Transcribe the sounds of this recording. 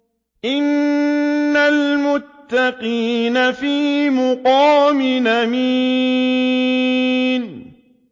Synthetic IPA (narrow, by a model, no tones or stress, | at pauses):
ʔɪnː | almʊt̪ːɑqiːnafiːmʊqɑːmɪnami | n